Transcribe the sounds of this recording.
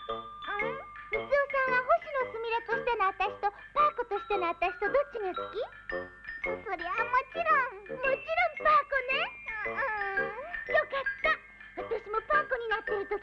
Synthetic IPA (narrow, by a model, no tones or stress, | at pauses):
ɯ̃ɸɯt͡sɨosãɰ̃ɡaɦo̞ɕino̞t͡sɨmʲiɾet̪o̞ɕi̥t̪e̞noat̪aɕi̥t̪o̞ | paːko̞t̪o̞ɕi̥t̪e̞noat̪aɕi̥t̪o̞d̪o̞t͡ɕːiɲiot͡sɨ̥kʲi | so̞ɾe̞βamo̞t͡ɕiɾõŋmo̞t͡ɕiɾõ̞mpaːko̞ne̞ɯ̃ | jokat̪ːa | βat̪aɕimo̞paːko̞ɲ̟inat̪ːe̞ɾɯ̟t̪o